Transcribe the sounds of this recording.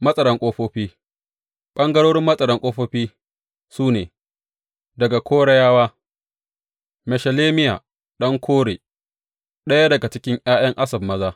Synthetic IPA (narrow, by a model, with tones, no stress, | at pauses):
mɐ˦sʼɐ˨ɾɐ˦ŋkʷʼoː˦ɸoː˦ɸiː˦ | ɓɐ˦ŋɡɐ˦ɽoː˦ɽɪ˦mːɐ˦sʼɐ˨ɾɐ˨ŋkʷʼoː˦ɸoː˦ɸiː˦ | suː˦neː˨ | dɐ˨ɡa˨kʷʰoː˦ɽɐ˦jaː˦waː˦ | mɛ˨ʃɐ˨leː˦mɪ˦ja̰˨ | ɗɐ˦ŋkʰʷoː˦ɽeː˨ | ɗɐ˦ja˦dɐ˨ɡa˨t͡ʃɪ˦kʲɪ˦ŋʔj̰aː˦j̰ɐ˦ŋʔa˦sɐ˨bmɐ˦zaː˦